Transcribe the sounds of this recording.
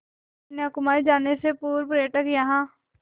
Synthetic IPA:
neəkʊmaːid͡ʒaːnesepuːɾpɾeːʈəkjəɦãː

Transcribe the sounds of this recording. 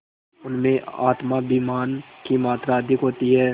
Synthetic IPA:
ʊnmẽʔa̰ːt̪mabiːmaːnkimaːt̪ɾaɐd̪ʱɪkɦoːt̪iɦɛː

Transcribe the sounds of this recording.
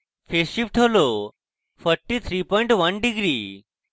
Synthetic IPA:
fʰeʃipʈʰeʋlo | fʰəɾʈit̪ʰɾipɔːĩɳʈʋənɖiɡɾi

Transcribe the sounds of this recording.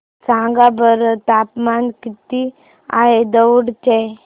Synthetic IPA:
sãɡabəɾt̪apmankit̪i | a̰ɦed̪əwɽt͡ɕe

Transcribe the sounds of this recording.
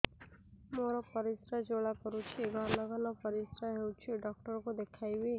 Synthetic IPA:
moɾɔpəɾisɾad͡ʒoɭakɔɾut͡ʃʰeɡʱaləɡalɔpəɾɪsɾaɦewt͡ʃʰieɖɔk̚ʈəɾkod̪ekʰajbe

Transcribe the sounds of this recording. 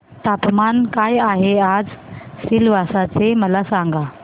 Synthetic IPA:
t̪apmankajaɦead͡zsilʋasat͡seməlasãŋɡa

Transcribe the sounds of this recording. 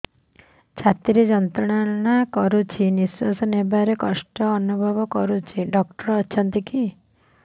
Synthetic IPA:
t͡ʃʰat̪iɾed͡ʒɔnt̪ɾɔɽ̃anakɔɾut͡ʃʰiniswasɔnebaɾekɔsʈɔːnubʱɔbɔkɔɾut͡ʃʰiɖɔkʈɔɾːt͡ʃʰant̪iki

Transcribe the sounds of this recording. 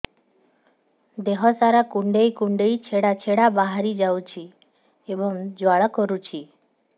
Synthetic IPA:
d̪eɦɔsaɾakuɳɖejkuɳɖejt͡ʃʰeɽat͡ʃʰeɽabaɦaɾid͡ʒawt͡ʃʰi | ebɔŋd͡ʒwaɭɔkɔɾut͡ʃʰi

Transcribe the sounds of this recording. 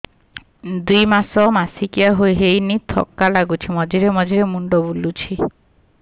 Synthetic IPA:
d̪ujmasɔmasikiaɦojɦejnit̪ʰɔ̰kːalaɡut͡ʃʰimɔd͡ʒiɾemɔd͡ʒiɾemuɳɖɔbulut͡ʃʰi

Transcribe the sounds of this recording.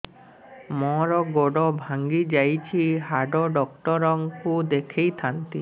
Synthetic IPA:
mɔ̃ɾɔɡoɖɔbʱaŋɡid͡ʒajt͡ʃʰiɦaɖɔɖɔkʈɔɾɔŋkud̪ekʰejt̪ʰant̪i

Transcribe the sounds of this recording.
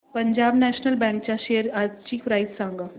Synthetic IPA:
pɐɲd͡ʒaːbnɛːʃnəlbɛ̃ːŋk̚t͡ʃaʃejəɾat͡ʃiːfɾaːɪt̪sãːŋɡa

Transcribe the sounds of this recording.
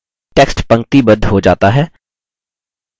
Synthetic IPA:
ʈeːksʈpɐ̃ŋk̚t̪ibɐd̪d̪ʱɦod͡ʒa̰ːt̪aɦɛː

